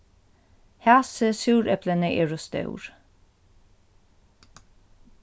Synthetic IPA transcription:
hæːsəsʉːɾɛplənəʔeːɹɔst̪ə̰ʉ̰ɹ

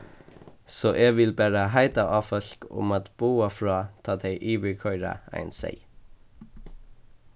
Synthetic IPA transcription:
soːʔeːɡʋɪlbæːɾəɦæɪd̪ɑʔɑːfœɬkʊ̰mɑt̪b̥uːafɹɑːt̪ʰɑːd̪æɪʔiːʋɪkʰœʏɾɑ̰æ̰ɪnsæ̰ɪ

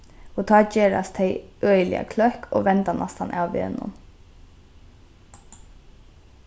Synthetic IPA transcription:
ɔt̪ʰɑːd͡ʒeːɹa̰st̪ʰɛɪœʏlɪ̰a̰kʰlœhkʰɔːʋɛnt̪anʔast̪ha̰nʔa̰ːwʋɪ̰ɛnʊ̰m

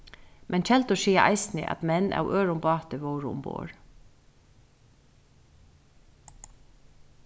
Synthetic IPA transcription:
mʔɛnc͡çʰɛlt̪oːʃiːɑʔɑ̰ɪsnɪ̰ʔɑ̰t̪mɛnʔɑ̰ːʊʔøːɹʊmbɑːt̪əʋoːɹʊʊ̰mbo̰ːɹ

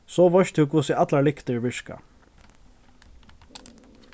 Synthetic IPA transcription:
soːʋɔʃt̪ʰuːkusɪʔɑt̪lɑɭɪkt̪əɹʋʏʃkɑ̰

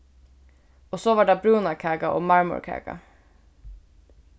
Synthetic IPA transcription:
oːsoːʋɑːɖɑːbɹuːnɑkʰæːɡɑʔo̰ːmɑɹmʊ̰ɾɹkʰæ̰ːɡɑ̰

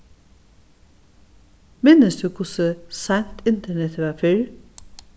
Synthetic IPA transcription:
mɪnəsd̪ʉːkʰʊsəsænt̪ʰɪnt̪ʰəɳɛt̪ʰʋɑːfɪɾ

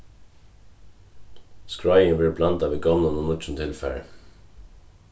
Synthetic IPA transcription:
skɹaɪəʋɪɹblɑnt̪aʋiːɡɔnanɔnʊt͡ʃn̩t̪ʰɪlfæ̰ɹ

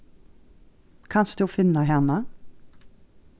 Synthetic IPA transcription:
kʰɑnsd̪̥ʉːfɪnəɦɛnə

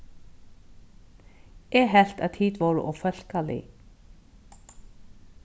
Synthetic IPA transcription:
ɛɦɛl̥t̪aðt̪ʰiːt̪vɔwɾʏ̰ʔɔɣfœl̥kalḭ

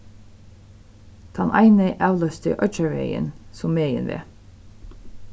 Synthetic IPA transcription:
t̪ʰɑnʔɑ̰ɪneɪʔɑʋlœst̪ə̰ʔœt͡ʃəɹʋḛɪə̰nsʊmmeɪə̰nʋḛː

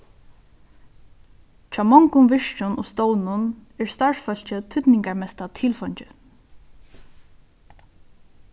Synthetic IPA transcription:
t͡ʃʰaːmɔŋkʊmʋɪʃt͡ʃʊnʔʊ̰st̪ownʊnɛɹst̪aɹʂfœlt͡ʃɪt̪ʰʏt̪nɪŋkaɹmɛst̪at̪ʰɪːlfɔɲt͡ʃɪ

